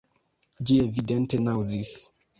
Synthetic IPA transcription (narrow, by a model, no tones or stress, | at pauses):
d͡ʒievidɛntenawzis